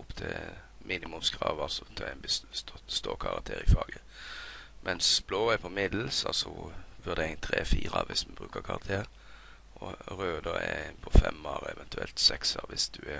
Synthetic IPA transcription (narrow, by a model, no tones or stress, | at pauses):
ʊpt̪ʰɪlmʔiːnɪmʊmsɡɾɑːʋɑlsɔt̪ʰɛnbsst̪ɔst̪oːkʰɑɾɑk̚t̪ʰeːɾɪfɑːɡə | mʔɛnsb̥loːɛɾpʰɔmɪd̪l̩sɑlsɔʋʉʁd̪ɛɪŋt̪ʰɾeːfiːɾəɑʋɪsmɛbʁʉːkəkʰɑɾɑt̪ʰeːɾ | ɔɾøːd̪əɛpʰɔfɛmɑːɾɛʋɛnt̪ʉɛlt̪sɛksɑʋɪsd̪̥ʉɛ